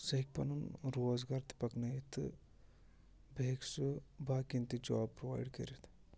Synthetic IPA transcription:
sɐɦik̚pɐ̰nunɾoːzɡɐɾt̪i̥pɐknɐjit̪ɨ | bʱeːksɨbʱaːkint̪id͡ʒaːb̚pɾoʋa̰ːjɖkɐ̰ɾit̪ʰ

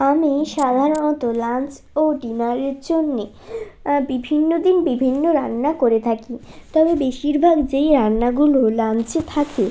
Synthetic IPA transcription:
amiʃad̪ʱaɾonɔt̪olant͡ɕ | oɖinaɾeɾd͡ʑonːe | bibʱinːod̪inbibʱinːoɾanːakoɾet̪ʰakit̪ɔbebeʃiɾbʱaɡd͡ʑejɾanːaɡulolant͡ɕet̪ʰakʰe

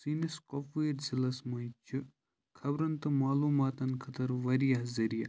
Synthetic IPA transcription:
siːniskopeːɾzilɐsmɐjt͡ʃʰi | kʰɐbɾɐnt̪ɨmaːluːmaːt̪ɐnkʰɐt̪ɐɾʋɐɾijaɦzɐɾija

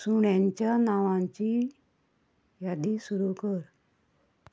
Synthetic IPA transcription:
suɳjãɲt͡ɕjanaʋãɲt͡ɕi | jad̪isuɾukəɾ

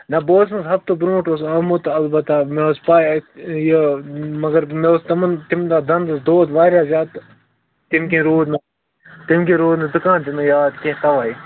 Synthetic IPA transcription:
nɐboːsnzɦɐb̚t̪ubɾũːʈosɐmut̪ɐlbɐt̪ameospaːjjemɐɡɐɾmest̪ɐmɐnt̪ɪmd̪aːd̪ɐnd̪ɐsd̪oːt̪ʋaːɾʲjaːzjaːt̪ | t̪ɪmkẽːɾuːd̪nɐ | t̪ɪmkẽɾuːd̪nad̪ʊkaːnt̪imjaːd̪kẽt̪ɐʋaːi

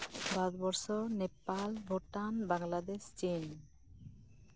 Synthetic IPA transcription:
bad̪bɔɾʃonepːalbʱoʈanbaŋlad̪eʃt͡ɕin

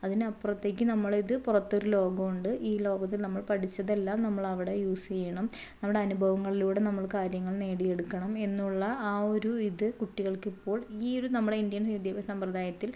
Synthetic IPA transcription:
ɐðinɨɐpːurɐt̪ːe̞ːk̬ʲːɨnɐmːɐɭiðɨpurɐt̪ːo̞ɾulo̞ːɡɐmuɳɖɨʔiːlo̞ːɡɐt̪̬ːilnɐmːɐɭpɐʈʰit͡ɕːɐðe̞lːaːmnɐmːɐɭɐʋiɽe̞juːsejɐɳɐm | nɐmːuɽe̞ɐnubʱɐʋɐŋːɐɭiluːɽe̞nɐmːɐɭkaːɾjɐŋːɐɭne̞ːɽije̞ɽukːɐɳɐme̞nːuɭːɐaːo̞ɾuiðɨkuʈːiɣɐɭkipːo̞ːɭiːo̞ɾunɐmːuɽe̞ind̪jɐnɐd̪ʱjɐbɐsɐmprɐd̪aːjɐt̪ːil

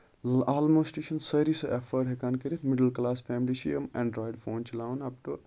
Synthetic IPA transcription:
aːlmoːsʈiʃɐnsɐɾisoʔefʰəɖɦekankiɾit̪miɖəlklaːsfʰɛːmliʃʰḭjemɛ̃ɳɖɾɔːjɖfʰoːnt͡ʃʰilawnɐp̚ʈu

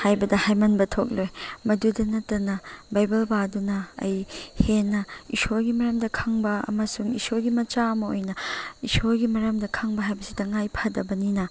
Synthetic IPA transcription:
hajbɐdɐhajmɐnbɐtʰok̚lojmɐdudɐnɐtːɐnɐbajbɐlbadunɐɐ̰jhenːɐisoɡimɐɾɐmdɐkʰɐŋbɐɐ̰mɐsuŋisoɡimɐt͡ʃaɐmɐo̰jnɐisoɡimɐɾɐmdɐkʰɐŋbɐɦajbɐsi̥tɐŋajpʰɐdɐbɐninɐ

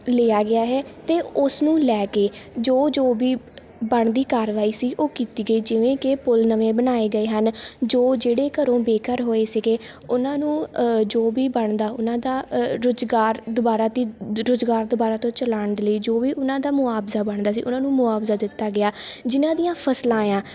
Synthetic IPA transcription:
leːaːɡɪaːɦɛːt̪eːʊsnũːlɛːkeːd͡ʒoːd͡ʒoːbiː | bəɳd̪iːkaːɾʋaːiːsiːʔoːkiːt̪iːɡəiːd͡ʒɪʋẽːkɪpʊlnəʋẽːbənaːeːɡəeːɦənd͡ʒoːd͡ʒeːɽeːkəɾõːbeːkəɾɦoːeːsɪɡeːʊnãːnũːd͡ʒoːʋiːbəɳd̪aːʊnãːd̪aːɾʊzɡaːɾd̪ʊbaːɾaːt̪iːɾʊzɡaːɾd̪ʊbaːɾaːt̪õːt͡ʃəlaːɳd̪eləiːd͡ʒoːʋiːʔʊnãːd̪aːmʊaːbzaːbəɳd̪aːsḭːʔʊnãːnũːmʊaːbzaːd̪ɪt̪ːaːɡɪaːd͡ʒɪnãːd̪ijãːpʰəslãːjãː

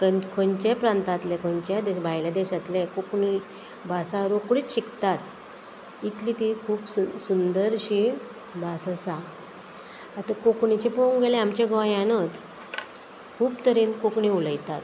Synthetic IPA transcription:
kəkʰəɲt͡ɕepɾant̪at̪lekʰɔ̃ɲt͡ɕjad̪eɕbʱajlad̪eɕat̪lekokɳi | bʱasaɾokɽiːt͡sɕikt̪at̪ | it̪lit̪ikʰuːpsusund̪əɾɕi | bʱasasa | at̪akokɳit͡ɕipoŋɡeleamt͡ɕeɡʋajanət͡s | kʰuːpt̪əɾinkokɳiuləjt̪at̪

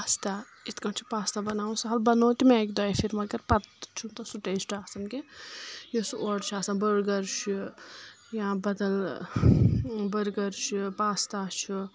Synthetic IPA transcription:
paːst̪a | it̪kɐɳt͡ʃʰi̥paːst̪abɐnaːwũsɐɦɐlbɐnoːt̪imãːkʲd̪ɔːjfʰiɾmɐɡɐɾpɐt̪t͡ʃʰunt̪ɐsuʈet͡ʃʰʈʰaːsɐmkejisʔoɽt͡ʃʰaːsabəɾɡɐɾʃʰi | jãːbɐd̪ɐl | bəɾɡɐɾt͡ʃipaːst̪aːt͡ʃʰu

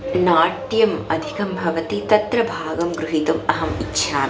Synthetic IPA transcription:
naːʈjɐmɐd̪ʱikɐmbʱɐʋɐt̪it̪ɐt̪ɾɐbʱaːɡɐmɡɾuɦit̪umɐɦɐmḭtːʃʰaːm

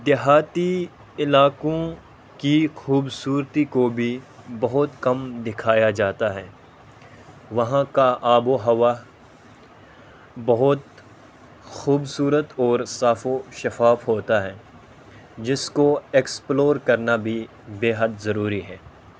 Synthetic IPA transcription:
d̪ɪɦaːt̪i | ɪlaːkõ | kixuːbsuːɾt̪ikobʱi | bɐɦʊt̪kɐmd̪ɪkʰaːjad͡ʒaːt̪aɦɛː | ʋɐɦãkaʔaːboɦɐʋa | bɐɦʊt̪ | xuːbsuːɾət̪ɔːɾsaːfoʃɐfaːfɦoːt̪aɦɛː | d͡ʒɪskoeksploːɾkɐɾnabʱi | beːɦəd̪zɐɾuːɾiɦɛː

